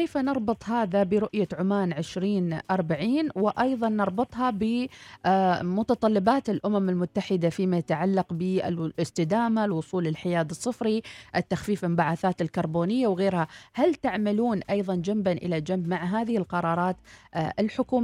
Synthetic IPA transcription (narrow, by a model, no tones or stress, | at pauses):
ejfanɑɾˤbɨt̪ˤhaːðabɪɾʊʔjaʕʊmaːnʕɪʃɾiːnʔɑɾˤbaʕiːnwɪʔɑjðˤɑnːɑɾˤbɨt̪ˤɦɑbɪ | mʊt̪ɑt̪ˤɑlːɪbaːt̪ɪlʔʊmamɪlmʊt̪ːaħɪd̪afimajat̪aʕalːɑqbɪɪ̰lɪst̪ɪd̪aːmalwʊsˤuːlɪlħɪjaːd̪ɨsˤːɨfɾiʔɪt̪ːaxfiːfɪmbaʕaθaːt̪ɪlkɑɾˤboːnɪjːawɣeːɾhahalt̪aʕmaluːnʔɑjðˤɑnd͡ʒambanʔɪ̰lad͡ʒambmaʕɦaːðɪhɪlqɑɾˤɑːɾˤɑːt̪ʔɪlħʊkuː